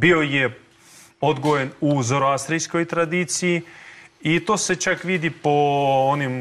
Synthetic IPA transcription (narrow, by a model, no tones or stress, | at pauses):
bioje | od̪ɡojenuzoɾoast̪ɾijsko̞jt̪ɾad̪it̪sijiit̪oːse̞t͡ʃakʋid̪ipoonim